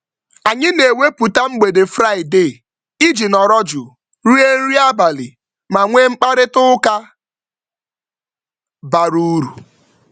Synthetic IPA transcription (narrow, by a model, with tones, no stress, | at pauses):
a˨ɲɪ˦ne˨we˦pu˨ta˦ŋ͡m̩˦ɡ͡be˨de˨fɾa˦ɪ˨de˦˨ | i˦d͡ʒi˨nɔ˨ɾɔ˦d͡ʒʊ˨ | ɾi˦e˦ɾi˦a˦ba˨lḭ˨ | ma˨ŋʷe˦ŋ͡m̩˦k͡pa˦ɾɪ˦tʊ˦ka˦ | ba˨ɾu˦ɾu˨